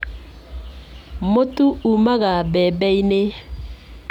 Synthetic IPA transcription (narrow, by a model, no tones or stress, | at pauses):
motuumaɣabɛbɛine